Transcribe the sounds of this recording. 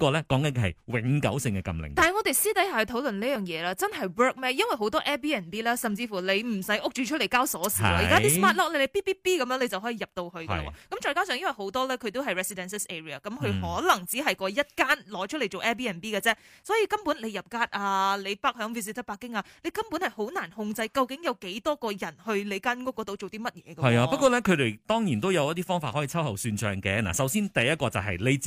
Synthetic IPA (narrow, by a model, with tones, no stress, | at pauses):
kɔː˧lɛ˦˥kɔː˨˥ŋkɐ˨˦n˧hɐ̰˨jwɪ̰˨˦ŋkɐ̰˨˥wsɪ˧ŋkɛ˧kɐ̰˧mlɪ̰˨˩ŋtaː˨n˨˩ŋɔː˨˧t̪e˨jsiː˥t̪ɐ˨˥jha˨˩hɵ˧t̪ʰo˨˥wlɵ˨nliː˥jœː˨˩ŋjɛː˨˧laː˧˥t͡sɐ˥nɦɐ˨jwɜː˥k̚mɛː˥jɐ˥nwɐ˨jɦo˨˥wt̪ɔː˥ʔɛː˥piː˥ɛː˨˩nt̪iː˥lɛː˥sɐ˨mt͡siː˧fuː˨˩le˨˧jm̩˨˩sɐ˨˥jʔʊ˥k̚t͡ʃyː˨t͡ʃʰɵ˥t̚le˨˩kaː˥wsɔː˨˥siː˨wɔː˧˨jka˦ti˥smaː˥t̚lɔ˥lɛ˥le˨˧piː˥piː˥piː˥kɐ˧mjœː˨˧ŋle˨˧t͡sɐ˨wɦɔː˨˥jiː˨˧jɐ˨p̚t̪o˧whɵ˧kl̰wɔ̰˨˧kɐ˨˦mt͡ʃɔː˧jkaː˥ws̬œː˨ŋjɐ˥wɐ˨˩ɦo˨˥wt̪ɔː˥lɛː˥kʰɵ˨˧ɥt̪o˥wɦɐ˨jɹɛ˨˧si˨dɛ˧nsɛ˥sɛː˥ɹi˨ɐ̰˨˩kɐ˨˦mkʰɵ˧ɥhɔː˨˥lɐ˨˩ŋt͡siː˨˥ɦɐ˨jkɔː˧jɐ˥t̚kaː˥nlɔː˨˥t͡ʃʰɵ˥tle˨˩jt͡ʃo˨wʔɛ˥p̬iː˥ɛː˨˩npiː˥kɐ˧t͡sɛː˥sɔ˨˥jiː˧kɐ˥mpuː˨˥nle˨˧jɐ˨p̚kaː˧˥t̚ʔaː˧le˨˧jpaː˥k̚hœː˨˥ŋfiː˥s̬i˧˥t̪ʰɐ˥paː˧˥kːɪ˥ŋaː˧le˨˧jkɐ˥mpuː˨˥nhɐ˨jho˨˥wnaː˨˩nhʊ˧ŋt͡sɐ˧jkɐ˧wkɪ˨˥ŋjɐ˨˧wke˨˥jt̪ɔː˥kɔː˧jɐ˨˩nhɵ˧ɥle˨˧jkaː˥nkʊ˥k̚ːɔː˨˥t̪o˧wt͡so˨wt̪iː˥mɐ˥t̚jɛ̰ː˨˧kɐ˥ɐ˨jaː˧pɐ˥tkɔː˧lɛ˥kʰɵ˨˧ɥɾe˨˧jt̪ɔː˥ŋjiː˨˩nt̪o˥wjɐ˨˧wjɐ˥t̪iː˥fɔː˥ŋfaː˧t̚hɔ˨˥iː˨˩t͡sʰɐ˥wɦɐ˨˩wsyː˧nt͡ʃœ̰ː˨ŋkɛ̰˧na̰ː˨˩sɐ˨˥wsiː˥nt̪ɐ˨jɐ˥t̚kɔː˧t͡sɐ˨wɦɐ̰˨jle˥t͡si˨